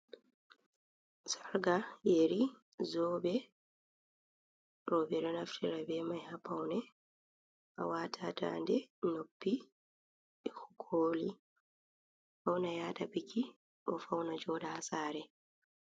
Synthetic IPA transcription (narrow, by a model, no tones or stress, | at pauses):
saɾɡajeɾi | zɔːbɛ | ɾɔːbɛɗɔnaftʰiɾabɛmajhapːawnɛ | ʔa̰waːtʰata̰ːndɛnopːi | hukʰoːli | fawnajaːtapikʰːi | ʔɔfawnad͡ʒɔdahasaːɾɛ